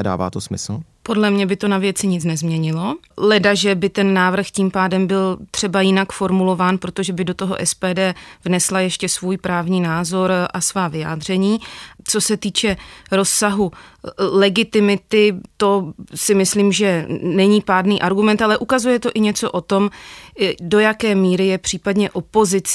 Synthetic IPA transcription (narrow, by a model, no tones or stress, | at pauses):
ɛda̰ːva̰ːt̪osmɪ̰sl̩ | po̞dlɛmɲɛbɪt̪o̞navjɛt͡sɪɲɪt͡snɛzmɲɛɲɪlo̞ | lɛdaʒɛbɪt̪ɛnːaːvr̩xciːmpaːdɛmbɪlt̪r̝̥ɛbajɪnakfo̞ɾmulo̞vaːnpɾot̪o̞ʒɛbɪdo̞t̪o̞ɦo̞̰ʔɛspɛːdɛːvnɛslajɛʃcɛsvuːjpɾaːvɲiːnaːzo̞ɾʔasvaːvɪja̰ːd̪r̝ɛɲiːt͡so̞sɛt̪iːt͡ʃɛɾo̞sːaɦulɛɡɪt̪ɪmɪt̪ɪt̪o̞sɪmɪsliːmʒɛnɛɲipaːdniːʔaɾɡumɛnt̪alɛʔukazujɛt̪o̞ʔɪɲɛt͡so̞ʔo̞t̪o̞m | do̞jakɛːmiːɾɪjɛpr̝̥iːpadɲɛʔo̞po̞zɪt͡s